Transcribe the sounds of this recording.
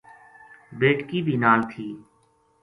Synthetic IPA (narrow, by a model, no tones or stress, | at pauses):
beːʈkiːbʱiːnaːlt̪ʰiː